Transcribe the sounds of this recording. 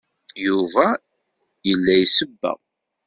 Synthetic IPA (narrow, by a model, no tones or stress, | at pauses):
juvæ | jəlːæjsəbːə̰ʁ